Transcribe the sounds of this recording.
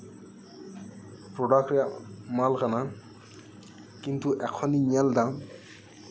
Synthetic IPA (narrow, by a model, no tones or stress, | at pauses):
pɾɔɖakɛmalkana | kint̪uʔɛkʰɔniɲald̪a